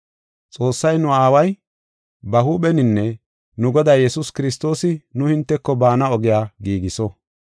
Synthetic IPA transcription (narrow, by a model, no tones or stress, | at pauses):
t͡sʼo̞ːsːɐjnʊaːwɐj | bɐhuːɓɛnɪnːɛ | nʊɡɔd̪aːjjɛsʊskɪɾɪst̪o̞ːsɪnʊhɪnt̪ːɛkːɔbaːnɐɔɡɪjaːɡiːɡɪsɔ